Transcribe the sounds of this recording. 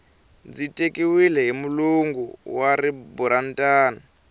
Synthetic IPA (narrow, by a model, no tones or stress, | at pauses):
d͡zitʼekiwilɛɦimuluŋɡuwaɾibuɾantʼaːna